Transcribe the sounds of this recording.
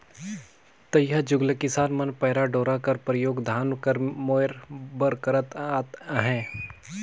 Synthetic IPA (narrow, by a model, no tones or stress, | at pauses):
t̪əjjad͡ʒʊɡləkɪsaːnmɐnpəːɾaɖoːɾakɐɾpɾəjoːɡd̪ʱaːnkəɾmoːɪɾbəɾkəɾət̪at̪ɦɛ̃ː